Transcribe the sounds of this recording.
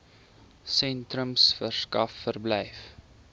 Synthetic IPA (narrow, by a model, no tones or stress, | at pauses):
sɛntrəmsfərskɐfːərblɛjf